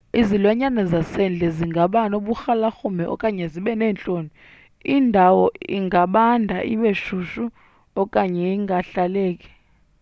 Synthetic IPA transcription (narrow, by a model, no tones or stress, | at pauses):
izilwaɲanazasɛnd͡ɮʱɛziŋɡʱaɓanoɓuxalaxumɛʔɔ̰kʼaɲɛziɓɛnɛːnt͡ɬʼoːni | indʱawɔiŋɡʱaɓandʱaʔiɓeʃuʃu | ɔkʼaɲɛiŋɡʱaɬaleːkʼi̥